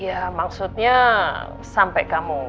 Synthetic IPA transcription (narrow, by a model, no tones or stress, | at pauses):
jamaksut̪̚ɲa | sampɛkamu